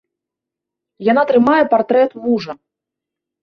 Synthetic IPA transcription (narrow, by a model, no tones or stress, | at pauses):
janat̪ɾɨmajɛpart̪ɾɛt̪muʐɐ